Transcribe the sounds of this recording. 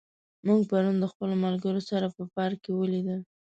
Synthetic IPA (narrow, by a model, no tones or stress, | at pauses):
muɡpaɾund̪əxpəlomalɡəɾosaɾapəpɑɾkewəlid̪əl